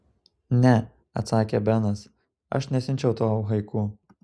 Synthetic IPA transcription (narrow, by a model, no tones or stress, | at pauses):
nʲɛ | ɐ̰t̪sɑːkʲebʲɛnɐs | ɐ̰ʃnʲɛsʲɪnʲt͡ʃʲɛʊt̪oʊɦɐɪkuː